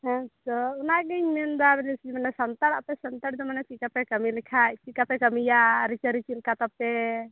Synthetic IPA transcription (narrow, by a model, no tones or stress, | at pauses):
ɦɛ̃t̪ɔunaɡɛɲmɛnd̪abɛlɛsiimanɛsant̪aɽapɛsant̪aɽd̪ɔmanɛt͡ʃikapɛkəmilɛkʰaʔt͡ʃikapɛkəmijaɾit͡ʃaɾit͡ʃilkat̪apːɛ